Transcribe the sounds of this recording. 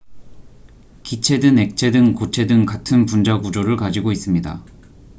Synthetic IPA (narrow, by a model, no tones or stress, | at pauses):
kit͡ɕʰe̞dɯne̞k̚t͡ɕʰe̞dɯŋkot͡ɕʰe̞dɯŋkatʰɯnpund͡ʑaɡud͡ʑoɾɯɭkad͡ʑiɡois͈ɯmɲida̰